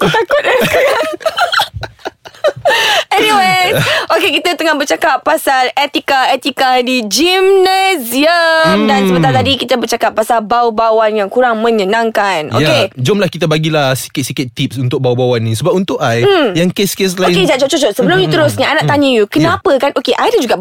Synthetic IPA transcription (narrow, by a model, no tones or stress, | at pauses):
t̪akʊt̪̚a | ɛniweʔokekit̪ət̪əŋahbərt͡ʃakapːasalɛt̪ikaɛt̪ikadid͡ʒimneziəmdansəbənt̪alt̪adikit̪əbərt͡ʃakap̚ːasalbawbawanjaŋkuɾaŋmə̃ɲənãŋkanʔo̰jaked͡ʒʊmlahkit̪abaɡilahsi̥kɪt̪̚sikɪt̪ːip̚sunt̪ʊk̚bawbawanːĩsəbap̚unt̪ʊʔajjaŋkeskes̬laoɪked͡ʒaʔt͡ʃoʔt͡ʃot͡ʃɔʔsəbəlʊmɲut̪əɾʊsɲaanaʔt̪aɲəjukənãpəkanʔokeʔajdəd͡ʒuɡa